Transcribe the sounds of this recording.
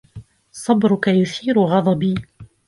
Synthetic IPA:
sˤɑbɾʊkajʊθiːɾʊɣɑd̪ˤɑbiː

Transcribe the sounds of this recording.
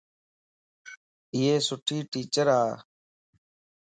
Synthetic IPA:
ɪːeːsʊʈʰiːʈiːt͡ʃəɾaː

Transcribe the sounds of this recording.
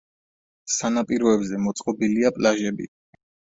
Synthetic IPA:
sanapʼiɾɔɛbzɛmɔt̪sʼqʼɔbiliapʼlaʒɛbḭ

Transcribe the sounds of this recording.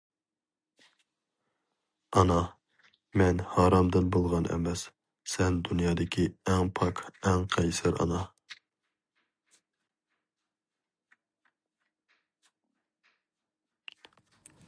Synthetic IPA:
ɑnɑ | mɛnhɑːɾɑmd̪ɨnbolˠʁɑnʔɛ̰mɛs | sɛnd̪unjɑːd̪ɨkʲʰiɛŋpʰɑkɛŋqʰɛjsɨɾʔɑ̰nɑ

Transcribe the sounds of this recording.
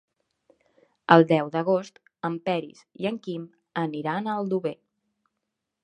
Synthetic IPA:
əlˠd̪ɛwd̪əɣ̞ost̪ | əmpɛɾḭsiəŋkim | əniɾanəlˠd̪uβe

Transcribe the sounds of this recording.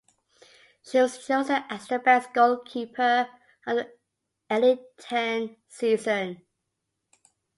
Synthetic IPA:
ʃiwɒz̥ʃozəʔastəbɛsɡ̥oʊlˠkʰiˑpʰə | ə̃n | ɛlɪtʰɛnsiːzə̃n

